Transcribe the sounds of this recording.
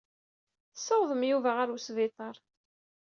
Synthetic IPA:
θəsːəwðˤəmjuvæʁaɾusvɪt̪ˤɑɾˤ

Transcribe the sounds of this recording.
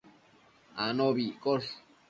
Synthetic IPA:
anoβikoʂ

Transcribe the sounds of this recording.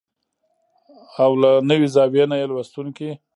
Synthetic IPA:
awlanəwizɑbjenajelwast̪unki

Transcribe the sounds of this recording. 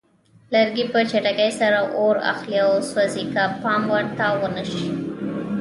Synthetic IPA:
ləɾɡipət͡ʃeʈakajsaɾaʔoɾa̰xliawswazikapɑmwaɾt̪awənəʃi

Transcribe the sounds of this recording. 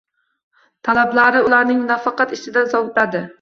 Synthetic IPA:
t̪ʰalablˠaɾɪulˠaɾnɪŋnafɑqɑt̪ɪt͡ʃɪd̪azɒwʊt̪lad̪ɪ

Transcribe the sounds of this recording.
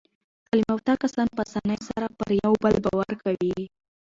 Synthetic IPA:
kalimawt̪ɑkasɑnpasanəjsaɾapəɾjawbəlbɑwaɾkawi

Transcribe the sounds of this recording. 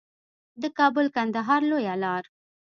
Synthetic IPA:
d̪əkɑbʊlkand̪aɦɑɾlojalɑɾ

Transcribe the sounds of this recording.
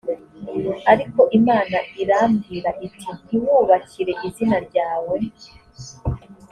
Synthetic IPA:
aɾiko̞ʔimaːnaʔiɾaːmɡiːɾaʔitʰiniwuːβacʰiɾe̞ʔizinaɾɟaːwe

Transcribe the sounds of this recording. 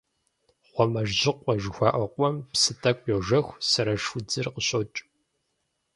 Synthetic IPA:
ʁʷɔmɐʒʑɪqʷɔʒxʷɑːʔɐqʷʼɔmpsɨtʰʼɐkʷʼjɛʒɐxʷsɐɾɐʂʊd͡zɨrqəɕʼot͡ʃʼ

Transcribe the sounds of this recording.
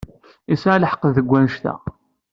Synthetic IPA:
isʕaləħə̥qːəððəɡʷːænʃt̪æ̰

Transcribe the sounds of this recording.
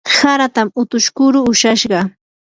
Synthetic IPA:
saɾat̪amʊt̪ʊʃkʊɾʊːʃaʃɢɑ

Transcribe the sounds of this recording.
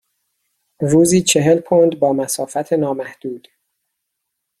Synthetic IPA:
ruːziːt͡ʃʰe̞ɦe̞lpʰond̪bɒːmæsɒːfæt̪ʰe̞nɒːmæhd̪̥uːd̪̥

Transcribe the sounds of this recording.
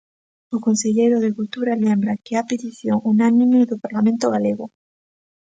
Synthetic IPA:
okonseʎejɾoðekult̪uɾalẽmbɾakɪapet̪iθjoŋʔunanĩmeðopaɾlamẽnt̪oɣaleɣo

